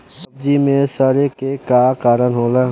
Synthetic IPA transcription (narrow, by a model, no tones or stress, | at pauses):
səb̚d͡ʒimẽsaɾekekakaːɾənɦoːla